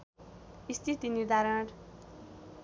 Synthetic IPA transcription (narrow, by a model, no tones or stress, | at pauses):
ist̪ʰit̪iniɾd̪ʱaɾʌɽ